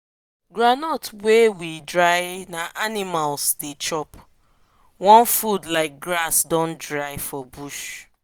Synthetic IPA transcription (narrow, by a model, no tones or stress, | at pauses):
ɡɾanɔtwewidɹaɪnaʔanimalsdet͡ʃɔp | wɔ̃nfudlaɪk̚ɡɾasdɔ̃ntdɹaɪfɔbuʃ